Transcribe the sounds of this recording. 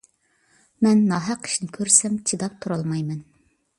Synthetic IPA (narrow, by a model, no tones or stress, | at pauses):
mɛnːɑɦɑqʰːi̥ʃnɪkʲʰøɾsɛmt͡ʃʰid̪ɑp̚t̪ʰuɾɑlˠmɑjmɛn